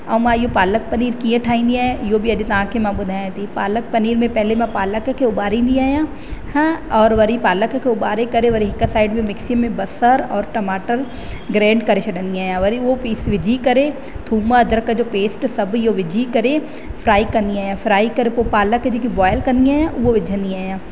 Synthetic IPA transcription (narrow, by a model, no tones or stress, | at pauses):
ɐʋmaːjopaːlək̚pɐniːɾkĩjãʈʰaːĩnd̪iaːjoːbʱiɐd͡ʒit̪ɐãːkemãbʊd̪ʱaãt̪ipaːlək̚pɐniːɾmẽpɛɦlemãpaːləkkeʊbaːɾĩnd̪iaːjãː | hɛ̃ɔːɾʋɐɾipaːləkkeʊbaːɾekɐɾeʋɐɾiɦɪkːasaːɪɖmẽmɪksjəmẽbɐsəɾɔːɾʈɐmaːʈəɾ | ɡɾɛ̃ːɳɖkɐɾeʃɐɖənd̪iaːjãʋɐɾiʋopiːsʋɪd͡ʒʱikɐɾe | t̪ʰuːmãd̪ɾkad͡ʒoːpeːsʈsɐbjoʋɪd͡ʒʱikɐɾe | fʰɾaːikɐniaːjãːfʰɾaːikɐɾepopaːləkːed͡ʒokibɔːjəlkɐɾniaːjãʔoʋɪd͡ʒʱə̃nd̪iaːjãː